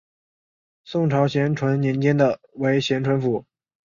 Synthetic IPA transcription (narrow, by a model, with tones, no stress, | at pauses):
sʊ˥˩ŋʈ͡ʂʰɑ˧˥ʊɕjɛ˧˥nʈ͡ʂʰwə˧˥nnjɛ˧˥nt͡ɕjɛ˥nd̪ə˨we˧˥ɪɕjɛ˧˥nʈ͡ʂʰwə˧˥nfu˧˩˦